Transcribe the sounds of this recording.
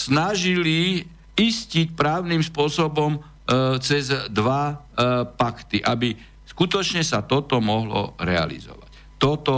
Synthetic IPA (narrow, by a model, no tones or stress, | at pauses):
snaʒili | iscicpɾaːʊniːmspʊɔsɔbɔm | t͡sɛzd̪ʋa | pakt̪iʔabi | skut̪ɔt͡ʃɲɛsat̪ɔt̪ɔmɔɦlɔ̰ɾɛa̰lḭzɔ̰ʋa̰c | t̪ɔt̪ɔ